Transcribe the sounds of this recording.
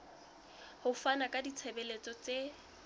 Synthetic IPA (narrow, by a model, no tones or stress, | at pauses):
hʊfanakʼadit͡sʰebɛlet͡sʼɔt͡se